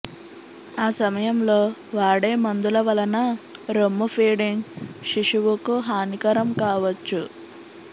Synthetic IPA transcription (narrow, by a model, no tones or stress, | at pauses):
aːsɐmɐjɐmlo̞ːʋaːɽeːmɐnd̪ulɐʋɐlɐnɐɾomːufʰiːɽiŋʃiʂuʋukuɦaːnikɐɾɐmkaːʋɐt͡ʃːu